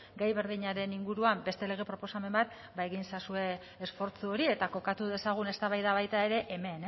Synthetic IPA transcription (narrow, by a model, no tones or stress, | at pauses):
ɡajβe̞ɾðiɲaɾe̞niŋɡuɾuambe̞st̪e̞le̞ɣ̞e̞pɾo̞po̞same̞mbat̪ | bae̞ɣ̞insasue̞ː | sfo̞ɾt͡suo̞ɾie̞t̪ako̞kat̪uðe̞saɣ̞une̞st̪aβajðaβajt̪ae̞ɾe̞ʔeme̞n